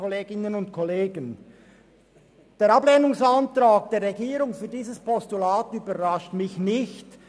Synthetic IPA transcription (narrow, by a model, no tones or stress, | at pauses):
ɔleːɡɪnənʊntkʰɔleːɡən | d̥eːɾɑbleːnʊŋsɑntɾaːk̚d̥eːɾːeɡiːɾʊŋfyːɐdiːzəspʰɔstulaːtyːbəʁɑʃtmɪçnɪçt